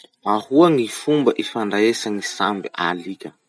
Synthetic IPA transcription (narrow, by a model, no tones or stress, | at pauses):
ahuaŋifumbəʔifaɳɖ͡ʐaesaŋisambiʔalikʲə